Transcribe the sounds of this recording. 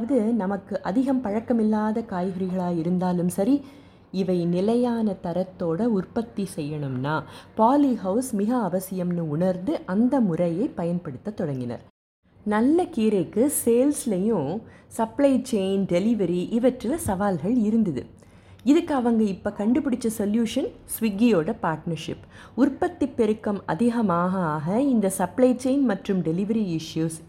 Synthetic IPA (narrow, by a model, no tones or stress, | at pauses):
ʋɐðɯnɐmɐkːɯʔɐðɪɣɐmpɐɻɐkːɐmɪlːaːðɐkaːjɣɐɾɪɣɐɭaːjɪɾɯnd̪aːlɯmsɐɾi | ɪʋɐɪnɪlɐjaːnɐt̪ɐɾɐt̪ːoːɽɐʊrpɐt̪ːisɛjːɐɳɯmnaːpaːliɦɐʊsmɪɣɐːʋɐsɪjɐmnɯʊɳɐɾnd̪ɯʔɐnd̪ɐmʊrɐjɐɪpːɐjɐnpɐɽɯt̪ːɐt̪ːɔɽɐŋɡɪnɐ̰ɾ | nɐlːɐkiːɾɐɪkːɯseːlslɐjʊ̃sɐplɐɪt͡ʃeɪnɖɛlɪʋɐɾiʔɪʋɐʈrɪlɐsɐʋaːlɣɐɭɪɾɯnd̪ɐðɯ̰ | ɪðɯkːɐʋɐŋɡɐɪpːɐkɐɳɖɯpːɪɽɪt͡ʃːɐsɔljuːʂɐn | sʋɪɡːijoːɽɐpaːɾʈnɐɾʂɪ̰pː | ʊrpɐt̪ːipːɛɾɯkːɐmɐ̰ðɪɣɐmaːɣɐːɣɐɪnd̪ɐsɐplɐɪt͡ʃeɪnmɐʈrɯmɖɛlɪʋɐɾiɪʂjuːs